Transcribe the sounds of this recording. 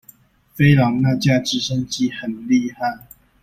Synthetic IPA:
fe˥ɪlɑ˨˥ŋna˥˧t͡ɕja˥˧ʈ͡ʂɻ̩˥˩ʂə˥nt͡ɕi˥˩hə˨˩nli˥˧ha˥˩ɪ

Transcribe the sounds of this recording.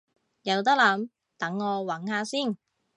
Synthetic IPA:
jɐ˨˧wt̪̬ɐ˥k̚lɐ˨˥m | t̪ɐ˨˥ŋːɔː˨˧wɐ˨˥nhaː˧siː˥˩n

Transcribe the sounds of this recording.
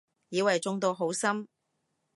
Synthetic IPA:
jiː˨˧wɐ˨jt͡sʊ˧ŋt̪o˧ɦo˨˥wsɐ˥m

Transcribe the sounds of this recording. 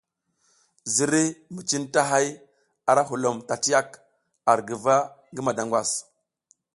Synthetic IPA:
zi˨ɾi˦mi˨t͡ʃi˦nta˦ɦa˦j | a˨ɾa˦ɦu˨lo˨mta˨ti˦a˦k | a˨ɾɡə˨va˦ | ŋɡə˦ma˨da˨ŋɡʷwa˨s

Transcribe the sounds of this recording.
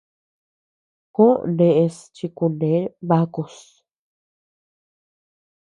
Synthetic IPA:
kõ˦ʔndẽ˧ʔe˧st͡ʃi˧ku˧ndẽ˨˦βa˦ko˧˨s

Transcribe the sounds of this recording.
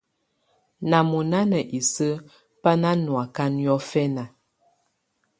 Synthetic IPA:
na˨mu˨na˦nə˨ʔi˨sə˦ | pa˦na˦nwa˨ka˦njɔ˦fɛ˦na˨

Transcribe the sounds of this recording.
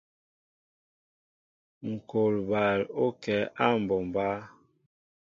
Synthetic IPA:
ŋ̩˨ko˨lba˨lo˦kɛ˨˦ʔa˦˨m˨bɔ˨mba˦

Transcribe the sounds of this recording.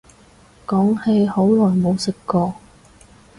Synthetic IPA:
kɔː˨˥ŋhe˧jho˨˥wlɔː˨˩jmo˨˧wsɪ˨kːɔː˧

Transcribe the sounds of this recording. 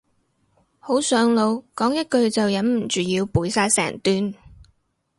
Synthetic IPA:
ho˨˥wsœː˨˥ŋlo˨˧wkɔː˨˥ŋjɐ˥t̚kɵ˧ɥt͡sɐ˨wjɐ˨˥nm̩˨˩t͡ʃyː˨˩jiː˧wpuː˨˥jsaː˧jsɛ̰ː˨˩ŋt̪yː˧n

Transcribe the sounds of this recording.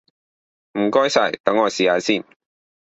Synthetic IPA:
m̩˨˩kɔː˥jsɐ˨˩jt̪ɐ˨˥ŋːɔː˨˧jsiː˨aː˨˧˥siː˥˩n

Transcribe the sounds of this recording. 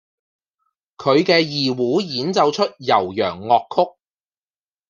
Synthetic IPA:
kʰɵ˨˧ɥkɛː˧jiː˨wuː˨˥jiː˨˥nt͡sɐ˨˧wt͡ʃʰɵ˥t̚jɐ˨˩wjœ̰ː˨˩ŋːɔː˨kʰːʊ˥k̚

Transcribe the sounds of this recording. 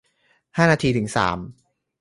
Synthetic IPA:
haː˥˩naː˧t̪ʰiː˧t̪ʰɯ˩˦ŋsa̰ː˩˦m

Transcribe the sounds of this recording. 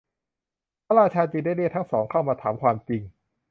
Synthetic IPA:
pʰa˦˥˩ɾaː˧t͡ɕʰaː˧t͡ɕiː˧nda˥˩ni˥˩t̪ʰa˦˥ŋsɔː˩˦ŋkʰa˥˩wmaː˧t̪ʰaː˩˦mkʰwaː˧mt͡ɕi˧ŋ

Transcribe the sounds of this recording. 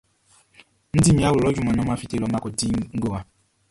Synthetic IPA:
n̩˦di˦mĩ˨˦a˦wlɔ˦d͡ʒu˦˨ma˨nɔ˦ma˦fi˦te˦lɔ˦ma˦kɔ˨di˦ŋ̩˦ɡo˨wa˨

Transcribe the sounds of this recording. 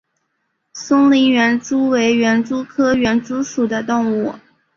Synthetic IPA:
sʊ˥ŋli˧˥ɥɛ˧˥nʈ͡ʂu˥we˧˥ɪɥɛ˧˥nʈ͡ʂu˥kʰɤ˥ɥɛ˧˥nʈ͡ʂu˥ʂu˨˩d̪ə˦t̪ʊ˥˧ŋu˥˩

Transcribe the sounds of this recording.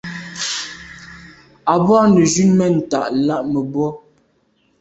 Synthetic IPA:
a˨bɔː˦nə˨d͡ʒʉ˦nmɛ˦˨n̩˨ta̰˨ʔla˦ʔmə˨bwɔ˦

